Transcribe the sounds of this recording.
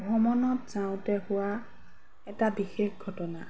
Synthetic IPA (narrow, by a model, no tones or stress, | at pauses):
bʱɔmɔnɔtz̥aʊ̃tɛhʊwa | ɛtabixexɡʱɔtɔna